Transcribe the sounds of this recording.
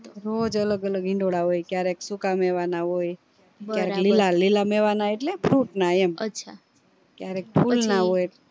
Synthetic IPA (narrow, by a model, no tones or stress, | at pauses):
ɾod͡ʒələɡələɡɪ̃ɳɖoɽaɦojkjaɾeksukameʋanaɦoj | kjaɾeklilalilameʋanaeʈlebʰɾuʈnaeməʃʰa | kjaɾek̚pʰulnaɦoj